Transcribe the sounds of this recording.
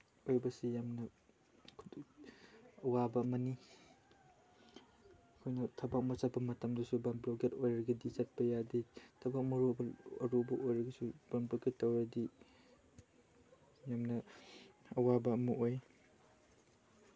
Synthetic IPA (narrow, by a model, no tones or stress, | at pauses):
ojbɐsujamnɐ | kʰ | ɐwabɐmɐni | kʰojnɐtʰɐbak̚mɐsabɐmɐtɐmdisubamblɔɡetojɾɐɡɐdizɐt̚pɐjaditʰɐbak̚mɐɾubɐɐ̰ɾubɐʔojɾɐɡɐsubanpɐkitːawɾɐdi | jamnɐ | ɐwabɐːmuʔoj